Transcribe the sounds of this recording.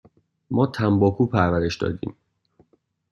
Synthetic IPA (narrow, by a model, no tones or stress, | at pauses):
mɒːt̪ʰæmbɒːkʰuːpʰæɾvæɾe̞ʃd̪ɒ̰ːd̪ḭːm